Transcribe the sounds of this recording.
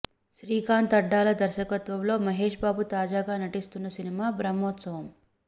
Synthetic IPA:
ʃɾiːkaːnt̪ɐɖːaːlɐd̪ɐɾʃɐkɐt̪ʋɐmlo̞ːmɐɦeːʂbaːbut̪aːd͡ʒaːɡaːnɐʈist̪unːɐsinimaːbɾɐmɔːt̪sɐʋɐm

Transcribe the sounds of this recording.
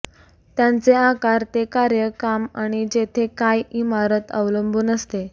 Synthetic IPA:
t̪jant͡seakaɾt̪ekaɾjəkama̰ɽ̃id͡ʑet̪ʰekajimaɾət̪ə̰ʋləmbʱuːnəst̪e

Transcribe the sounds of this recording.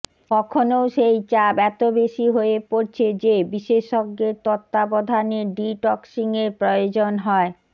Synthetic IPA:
kɔkʰonowʃejt͡ɕabɛt̪obeʃiɦoepoɾt͡ɕʰed͡ʑebiʃeʃoɡːeɾt̪ɔt̪ːabɔd̪ʱaneɖiʈɔksiŋeɾpɾojod͡ʑonɦɔe

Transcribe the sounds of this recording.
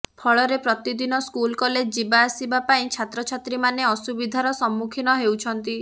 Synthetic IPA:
pʰɔɭɔɾepɾɔt̪id̪inɔskulkɔled͡ʒd͡ʒibaːsibapaĩt͡ʃʰat̪ɾɔt͡ʃʰat̪ɾimaneɔsubid̪ʱaɾɔsɔmːukʰinɔɦewt͡ʃʰɔnt̪i

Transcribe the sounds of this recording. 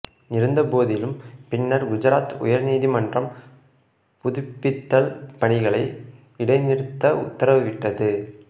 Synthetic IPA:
nɪɾɯnd̪ɐpoːðɪlɯmpɪɳːɐɾɡʊd͡ʒɐɾaːt̪ʊ̰jɐɾniːðimɐndrɐm | pʊðʊpːɪt̪ːɐlpɐɳɪɣɐɭɐɪ | ʋɪɽɐɪnɪɾɯt̪ːɐʊ̰t̪ːɐɾɐʋɯʋɪʈːɐðɯ

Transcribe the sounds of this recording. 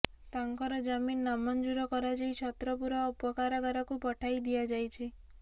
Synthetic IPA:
t̪aŋkɔɾɔd͡ʒaminːamɔnd͡ʒuɾɔkɔɾad͡ʒijt͡ʃʰɔt̪ɾɔpuɾɔːpɔkaɾaɡaɾɔkupɔʈʰajd̪iad͡ʒajt͡ʃʰi

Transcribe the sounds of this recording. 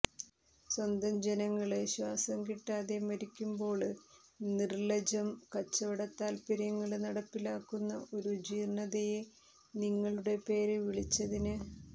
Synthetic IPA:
swɐnd̪ɐmd͡ʑenɐŋːɐɭɨɕwaːsɐmkiʈːaːðemɐɾikʲːumbo̞ːɭnirlɐd͡ʑɐmkɐt͡ɕːɐʋɐɽɐt̪ːaːlpiɾɐŋːɐɭnɐɽɐpːilaːkːunːɐʔo̞ɾud͡ʑiːrɳɐðeje | niŋːɐɭuɽe̞pe̞ːɾɨʋiɭit͡ɕːɐðinɨ

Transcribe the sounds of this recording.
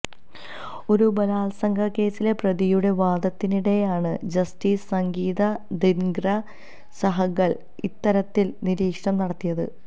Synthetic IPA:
o̞ɾubɐlaːlsɐŋɡʱɐkːe̞ːsile̞prɐðijuɽe̞ʋaːd̪ɐt̪ːiniɽe̞jaːɳɨd͡ʑɐstiːssɐŋɡiːðɐd̪inɡɾɐ | sɐɦɐɣɐɭ | it̪ːɐɾɐt̪ːilniɾiːkʂɐmnɐɽɐt̪ːijɐðɨ̰

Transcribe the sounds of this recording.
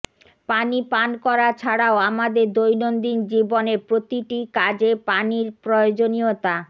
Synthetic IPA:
panipankɔɾat͡ɕʰaɽaoamad̪eɾd̪ojnond̪ind͡ʑibonepɾot̪iʈikad͡ʑepaniɾpɾojod͡ʑoniot̪a

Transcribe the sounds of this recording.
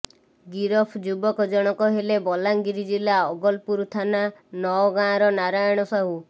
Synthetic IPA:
ɡiɾɔpʰd͡ʒubɔkɔd͡ʒɔɽ̃ɔkɔɦelebɔlaŋɡiɾid͡ʒilaɔɡɔlpuɾt̪ʰananɔɔɡãɾɔnaɾajɔɽ̃ɔsɔɦu

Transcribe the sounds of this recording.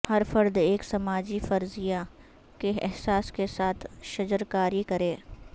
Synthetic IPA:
hɐɾfɐɾd̪eːksɐmaːd͡ʒifɐɾzija | keɛɦsaːskesaːt̪ʰʃɐd͡ʒəɾkaːɾikɐɾẽː

